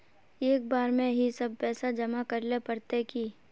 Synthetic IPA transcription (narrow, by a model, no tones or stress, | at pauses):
eːk̚baːɾmẽɦisɐb̚ʱpɛːsad͡ʒɐmakɐɾlepɐɾt̪eki